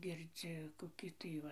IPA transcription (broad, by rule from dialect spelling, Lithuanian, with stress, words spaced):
ɡʲɪrʲˈd͡zʲɪ koːˈkʲiː tɐɪ ˈʋɐ